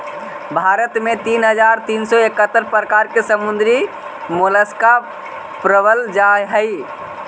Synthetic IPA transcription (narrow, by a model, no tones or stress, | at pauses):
bʱaɾət̪met̪inɦəd͡ʒaɾt̪insɔekət̪ːəɾpəɾəkaɾkesəmund̪ɾi | moləska | pɾəbəld͡ʒaɦəj